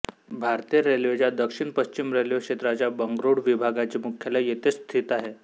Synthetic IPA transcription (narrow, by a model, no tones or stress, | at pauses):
bʱaɾt̪ijəɾeljot͡ɕjad̪əkʂiɳpəɕt͡ɕimɾeljokʂet̪ɾat͡ɕjabəŋɡɾuɽʋibʱaɡat͡ɕemukʰjelajet̪est̪ʰit̪aɦe